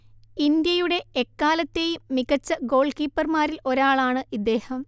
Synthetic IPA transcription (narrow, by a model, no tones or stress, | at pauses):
ind̪jɐjuɽe̞ːkːaːlɐt̪ːe̞ːjumːiɣɐt͡ɕːɐɡo̞ːɭkiːpːɐrmaːɾilo̞ɾaːɭaːɳɨʔid̪ːeːhɐm